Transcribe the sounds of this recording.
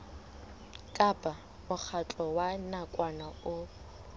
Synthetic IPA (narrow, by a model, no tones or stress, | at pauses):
kʼabʼa | mʊk͡xʰat͡ɬʼɔwanakʼwanaʊ